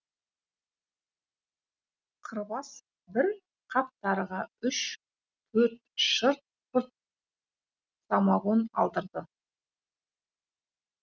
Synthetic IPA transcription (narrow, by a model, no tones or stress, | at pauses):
qʰəɾbɑs | bɪɾ | qʰɑp̚t̪ɑɾʁɑʏʃ | t̪ʰɵɾt̪ʃəɾt̪̚ | ʊɾt̪̚ | sɑmɑʁonɑ̰lˠd̪əɾd̪ə